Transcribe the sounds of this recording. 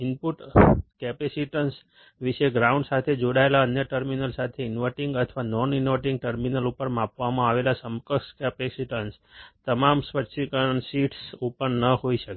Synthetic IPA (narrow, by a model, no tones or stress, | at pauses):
inpuʈkɛpesiʈəns | ʋiʃeɡɾaũɳɖsat̪ʰed͡ʒoɽaelaənjəʈəɾminəlsat̪ʰeɪnʋəʈiŋɡət̪ʰʋanɔninʋəʈĩŋɡ̚ʈəɾminəlupəɾmãpʋamãaʋelasəmkəskɛpesiʈəns | t̪əmamsʋəʃikəɳsiʈsupəɾnəhoiʃəke